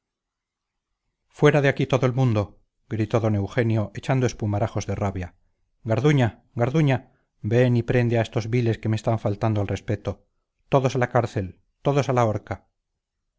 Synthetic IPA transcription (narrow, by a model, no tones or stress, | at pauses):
fwe̞ɾaðeakit̪o̞ðoelmũnd̪o̞ | ɡɾit̪o̞ðo̞ne̞wxe̞njo̞ʔe̞t͡ʃand̪ospumaɾaxo̞zðeraβja | ɡaɾðuɲa | ɡaɾðuɲa | be̞nipɾe̞nd̪eae̞st̪o̞zβile̞ske̞mest̪aɱfalt̪and̪oalre̞spe̞t̪o̞ | t̪o̞ðo̞salakaɾθe̞l | t̪o̞ðo̞salaoɾka